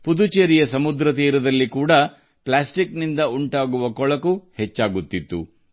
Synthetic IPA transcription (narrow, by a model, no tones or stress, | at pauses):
pud̪ut͡ʃeɾijɐsɐmud̪ɾɐt̪iːɾɐd̪ɐlːikuːɽɐ | plaːsʈiknind̪ɐuɳʈaːɡuʋɐkɔɭɐkuhet͡ʃːaːɡut̪ːit̪ːṵ